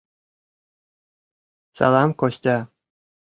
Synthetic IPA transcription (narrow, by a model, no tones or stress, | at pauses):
sa̰lˠɑmkosʲt̪ʲa